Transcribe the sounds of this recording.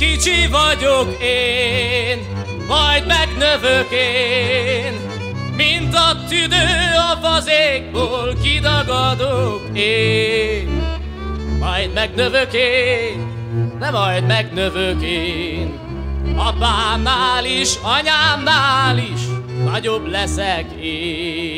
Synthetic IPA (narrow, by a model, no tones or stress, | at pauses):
kit͡ʃivɒɟokeːn | mɒjd̪mɛɡnøvøkeː | n | mint̪ɒt̪yd̪øːɒvɒzeːɡ̚boːlkid̪ɒɡɒd̪okeːn | mɒjd̪mɛɡnøvøkeːn | d̪ɛmɒjd̪mɛɡnøvøkeːn | ɒbaːnːaːliʃɒɲaːnːaːliʃnɒɟoblɛsɛkeː